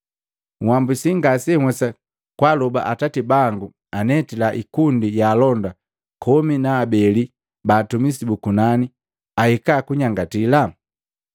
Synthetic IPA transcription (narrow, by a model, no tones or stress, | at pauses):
ŋwambusiŋɡasɛŋwɛsa | kwalɔba̰ʔatatibaŋɡu | anɛtilaʔikundijaːlɔnda | kʰɔminaːbɛli | baːtumisibukunani | ahikakuɲaŋɡatila